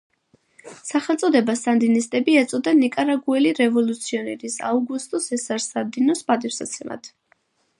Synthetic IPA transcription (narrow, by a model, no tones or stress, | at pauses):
saχɛlˠt̪sʼɔd̪ɛbast̪ʼand̪inist̪ʼɛbiɛt̪sʼɔd̪anikʼaɾaɡuɛliɾɛvɔlut̪sʰiɔnɛɾisa̰uɡust̪ʼɔsɛsaɾsad̪inɔspʼad̪ifsa̰t̪sʰɛma̰t̪ʰ